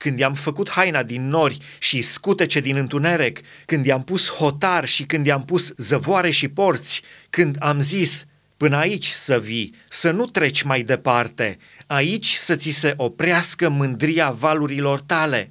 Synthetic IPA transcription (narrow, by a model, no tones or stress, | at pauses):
kɨnd̪jamfəkut̪hajnad̪inːo̞rʲ | ʃiskut̪e̞t͡ʃe̞d̪inɨnt̪une̞ɾe̞kː | ɨnd̪jampusho̞t̪arʃikɨnd̪jampuszəvoaɾe̞ʃipo̞rt̪sʲkɨnd̪amzis | pɨnəait͡ʃʲsəvisənut̪ɾe̞t͡ʃʲmajd̪e̞part̪e̞̰ | ait͡ʃʲsət̪sise̞ʔo̞pɾʲeaskəmɨnd̪ɾiavaluɾilo̞rt̪ale̞̰